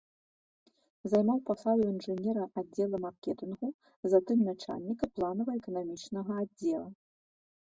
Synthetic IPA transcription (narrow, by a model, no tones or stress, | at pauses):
zajmawpasad̪uinʐɨnʲɛɾɐadd͡zʲːɛlˠɐmarkʲɛt̪ɨnɣu | zat̪ɨmnat͡ʂa̰lʲnʲikɐplˠanɐvɐɛkɐnamʲit͡ʂnɐɣɐadd͡zʲːɛlˠɐ